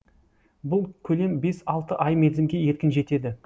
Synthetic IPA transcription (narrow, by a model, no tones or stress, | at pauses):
bʊlˠkʲʰɵle̞mbe̞sɑlˠt̪əʔɑjmed̪zɪmɡʲe̞je̞t̪̚kʲɪnʒe̞t̪e̞d̪ɪ